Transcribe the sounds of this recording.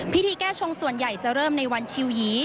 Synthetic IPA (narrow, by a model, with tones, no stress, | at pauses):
pʰi˦˥t̪ʰiː˧kɛː˥˩t͡ɕʰo˧ŋsu˨˩ənja˨˩jt͡ɕa˨˩ɾɤː˥˩mna˧jwa˧nt͡ɕʰi˧wjiː˩˦